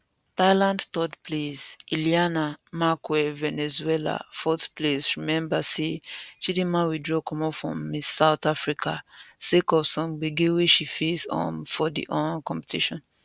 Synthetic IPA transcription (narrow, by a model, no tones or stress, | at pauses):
taɪlãndtɔdpʰlesilianamakwɛvɛnɛzuɛla̰fɔsplesɹimɛ̃mbaset͡ʃidĩmãnwidɹɔkʰɔ̃mɔfɹɔ̰̃misaʊtafɹikʰasekɔvsɔ̃mbiɡĩweʃifesɔ̰̃nfɔdḭʔɔ̃nakɔ̃mpɛ̥tiʃɔ̃n